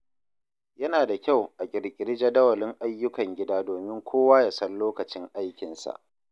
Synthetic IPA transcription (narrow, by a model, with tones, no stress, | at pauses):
jɐ˦naː˨da˨kʲa˦˨wʔa˨kʲʼɪ˨ɽkʲʼɪ˨ɽɪ˦d͡ʒa˦dɐ˦wɐ˨lɪ˦ŋʔa˦jːʊ˦kɐ˨ŋɡʲɪ˦daː˦doː˨mɪ˦ŋkʷoː˦waː˦ja˨sɐ˦nloː˦kɐ˨t͡ʃɪ˦ŋʔa˦jkʲɪ˨nsa̰˨ʔ